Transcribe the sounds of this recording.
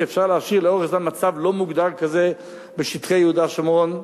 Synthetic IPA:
ɛfʃaʁleaʃiʁleoʁeχzanmat͡savlomuɡd̪aʁkaze | beʃit̪χejəhudaʃamon

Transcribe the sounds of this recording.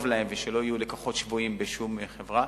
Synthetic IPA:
vlae̞mveʃelo̞ijule̞koχo̞tʃvuimbeʃumχevʁa

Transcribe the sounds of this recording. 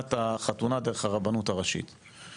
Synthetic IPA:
t̪aχatunad̪eʁeχhaʁabanutaʁaʃḭt̪

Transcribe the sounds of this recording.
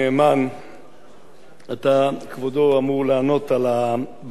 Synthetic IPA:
eːman | at̪akvod̪oamuʁlaːno̞t̪ala | b

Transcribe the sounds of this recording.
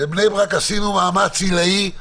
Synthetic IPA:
ebnejbʁakasinumaːmat͡silai

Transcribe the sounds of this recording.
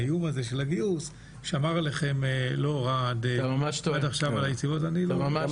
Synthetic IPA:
jumaze̞ʃelaɡius | ʃeamaʁleχe̞mlo̞ʁadmamaʃtoadaχʃavalajet͡sivo̞taniloaa

